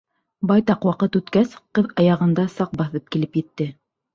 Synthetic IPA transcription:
bɑjt̪ɑqwɑqɤt̪ʉt̪kæsqɤðɑjɑʁɤ̆nd̪ɑsɑq̚bɑθɤp̚kilɘpjɘ̆t̪ːɘ

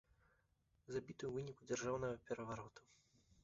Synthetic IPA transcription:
zabʲit̪ɨjuvɨnʲikud͡zʲarʐawnɐɣɐpʲɛɾɐvaɾɔt̪u̥

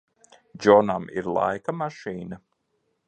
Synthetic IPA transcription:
d͡ʒɔnamḭɾlˠa̰jkamaʃiːna

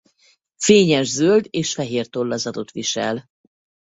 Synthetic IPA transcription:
feːɲɛʒzøld̪eːʃfɛɦeːrt̪o̞lːɒzɒd̪o̞t̪ʋiʃɛ̰l

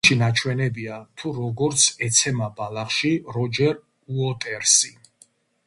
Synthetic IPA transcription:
ʃinat͡ʃʰwɛnɛbiat̪ʰuɾɔɡɔɾt̪sʰɛt̪sʰɛmabalaχʃiɾɔd͡ʒɛɾ | uɔt̪ʼɛɾsi

